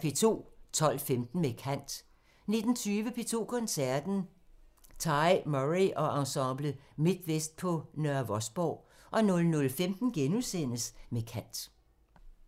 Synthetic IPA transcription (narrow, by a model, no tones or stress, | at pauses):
pʰe̝t͡sʰo̝̰ːt͡sʰɒ̽l̰femd̥n̩mekʰæn̰d̥ | ne̝d̥n̩t͡sʰyːʋəpʰe̝ːt͡sʰo̝̰ːkʰɒ̽nsæɐd̥n̩ | t͡sʰɑɪmɔʁiʔɒ̽ʔɑ̈sɑb̥ləmi̝d̥ʋesd̥̚pʰɒ̽nɶɐʋɒ̽sb̥ɒʊ̰ | ʔɒ̽nɔ̽lnɔlfemd̥n̩ɡ̥enuðsen̰əsmekʰæn̰d̥